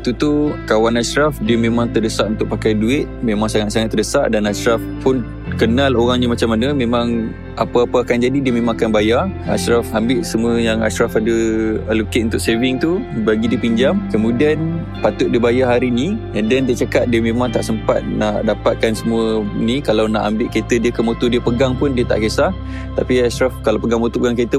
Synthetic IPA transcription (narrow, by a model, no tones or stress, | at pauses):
t̪ut̪ukawanaʃɾafdiəmemãŋt̪ərdəsaʔunt̪ʊʔ̚pakajduɪt̪̚memaŋsaŋat̪̚saŋat̪ːərdəsa̰ʔdanaʃɾafpʊn | kənaloɣaŋɲamat͡ʃamːanəmemaŋ | ʔapaapəakand͡ʒadidiəmemãŋakanbajaa̰ʃɾafambɪʔsəmuəjaŋa̰ʃɾafadəəluket̪ʔunt̪ʊʔsevɪŋt̪ubaɡidiəpiɲd͡ʒamkəmudian | pat̪ʊʔ̪̚diəbajaɦaɾiniadant̪əʔt͡ʃakat̪̚diəmẽmaŋt̪a̰ʔsəmpat̪̚naʔdapat̪̚kansəmuənikalawna̰ʔambɪʔket̪ədiəkəmot̪udiəpəɡaŋpʊndiət̪a̰ʔkesah | t̪apiaʃɾafkalawpəɡaŋmot̪upəɡaŋket̪ə